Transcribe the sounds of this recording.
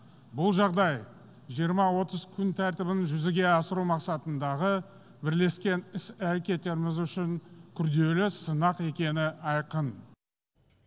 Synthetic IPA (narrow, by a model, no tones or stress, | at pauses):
bʊlˠʒɑʁd̪ɑj | ʒijəɾmɑwo̞t̪əzkʲʰʏnt̪ʰæɾt̪ɪbɪnʒʏzɪɡʲe̞ɑsəɾumɑqsɑt̪ənd̪ɑʁə | bɪɾle̞skʲe̞nɪsæɾe̞kʲe̞t̪ːe̞ɾɪmɪzʏʃɪŋkʲʰʏɾd̪e̞lɪsənɑqe̞kʲe̞nɪɑjqən